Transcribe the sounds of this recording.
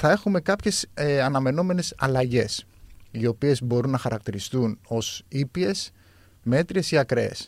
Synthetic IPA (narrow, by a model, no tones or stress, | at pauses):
θɐe̞xume̞kɐpçe̞sɐnɐme̞no̞me̞ne̞sɐlɐʝe̞s | io̞pie̞zbo̞ɾunːɐxɐɾɐk̚t̪iɾist̪uno̞sipie̞s | me̞t̪ɾie̞siɐkɾeḛs